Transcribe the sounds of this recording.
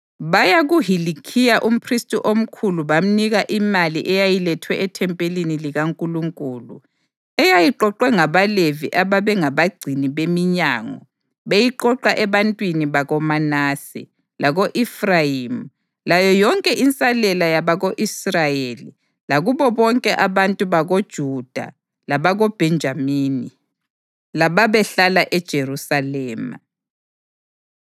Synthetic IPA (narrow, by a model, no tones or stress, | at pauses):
βajaɣuɦilikʰijaʔum̩pʰristʼuʔom̩kʰuluβam̩niɣaʔimaliʔɛjajilɛtʰwɛɛtʰɛmpʼeliniliɣaŋkʼuluŋkʼuːlṵ | ɛjajiǃɔǃwɛŋaβalevḭʔaβaβɛŋaβaɡ͡ǀʱiniβemiɲaːŋɔ̰ | βejiǃɔǃaʔɛβantʼwiniβaɣɔmanaːsḭ | laɣoʔifrajim | lajɔjɔŋkʼɛʔint͡sʼalɛlajaβaɣoʔisrajeli | laɣuβɔβɔŋkʼɛʔaβantʼuβaɣod̥ʒ̥ʱud̥ʱa̰ | laβaɣob̥ʱɛnd͡ʒʱamiːni | laβaβɛɬalaʔɛd̥ʒ̥ʱerusalɛːma̰